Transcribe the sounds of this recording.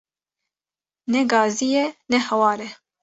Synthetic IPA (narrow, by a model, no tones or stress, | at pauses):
nɛɡɑːzijɛnɛhɛwɑːɾɛ